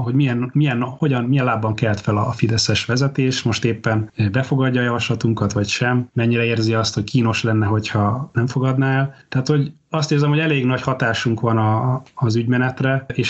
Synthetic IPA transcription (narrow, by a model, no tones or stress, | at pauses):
ɦo̞ɟmijɛnmijɛnːho̞ɟɒnmijɛnlaːbːɒŋkɛlt̪fɛlɒfid̪ɛsɛʃʋɛzɛt̪eːʃmo̞ʃt̪eːpːɛnbɛfo̞ɡɒɟːɒːjɒvɒʃlɒt̪uŋkɒt̪ʋɒcʃɛmmɛɲːiɾɛeːrziɒst̪ho̞ckʰiːno̞ʃlɛnːɛɦo̞cʰhɒnɛɱfo̞ɡɒd̪naːɛlt̪ɛaːt̪ho̞ɟ | ɒst̪eːrzɛmhoɛleːɡnɒchɒt̪aːʃuŋkʋɒnɒːzyɟmɛnɛt̪rɛeːʃ